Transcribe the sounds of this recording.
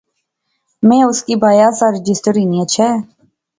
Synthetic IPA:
mẽːʊskiːbaːjaːsaɾɪd͡ʒɪsʈəɾiniat͡ʃʰɛː

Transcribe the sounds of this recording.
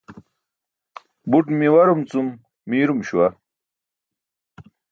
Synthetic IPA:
buʈmiwɐɾumt͡sumː | iːɾumɕwɐ

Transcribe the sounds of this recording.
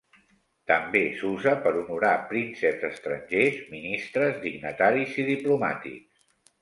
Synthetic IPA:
t̪əmbesuzəpəɾunuɾapɾinsəbzəst̪ɾəɲʲʒezminist̪ɾəzd̪iɡnət̪aɾiziðipluma̰t̪ḭks

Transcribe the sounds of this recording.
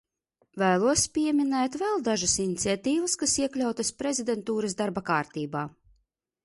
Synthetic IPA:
væːlˠuɔspʲiɛminɛːt̪vɛlˠd̪aʒasinit̪sʲat̪iːvaskasiɛklʲawt̪aspɾezʲid̪ɛnt̪uːɾas̬d̪aɾbakaːɾt̪iːbaː

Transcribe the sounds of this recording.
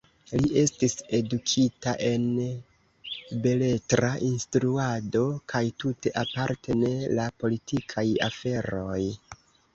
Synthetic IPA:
liʔe̞stise̞dukʰitaʔe̞n | be̞le̞tɾaʔinstɾuado̞kʰajtute̞ʔapaɾtʰe̞ne̞lapo̞litʰikʰaja̰fe̞ɾo̞j

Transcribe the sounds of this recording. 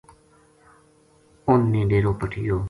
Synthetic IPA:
ʊnːẽːɖeːɾoːpəʈʰɪjoː

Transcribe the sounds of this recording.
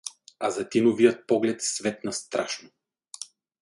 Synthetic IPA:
azat̪inɔvijɔt̪̚pɔɡlɛt̪svɛt̪nast̪ɾa̰ʃnɔ

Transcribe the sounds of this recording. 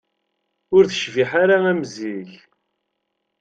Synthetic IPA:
ʊɾθə̥ʃviħaɾaæmziç

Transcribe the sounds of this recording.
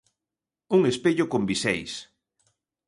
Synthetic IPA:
uŋespeʎʊkombisɛjs

